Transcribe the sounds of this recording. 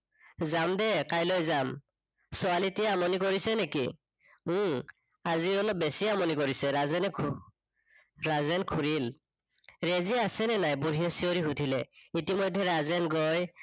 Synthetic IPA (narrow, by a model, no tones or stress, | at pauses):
zamdɛkajlojzam | sɔalitijaamɔnikɔɹisɛnekḭ̃ | aziɔlɔp̚besiamɔnikɔɹisɛɹazɛnɛkʰ | ɹazɛnkʰuɹil | ɹeziasɛnɛnajbuɹijɛsioɹiɦutʰilɛitimɔjdʱːɛɹazɛnɡɔj